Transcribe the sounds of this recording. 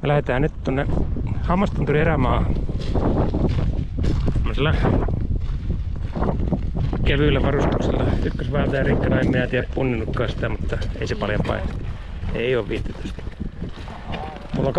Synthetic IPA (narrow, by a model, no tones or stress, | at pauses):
mɑlæhet̪æːnytt̪onːehɑmːɑst̪ont̪urieræmɑː | t̪omːoselːɑ | keʋyˑlːæʋɑrust̪u̥kselːɑykːøsʋɑlt̪ɑjɑrikːɑnɑemminæt̪iææppunːinːukːɑːsi̥t̪æmut̪ːɑḛisepɑljompɑ̰inɑ̥ | eˑioːʋʋiːt̪ːet̪y̥st̪ | mulːɑk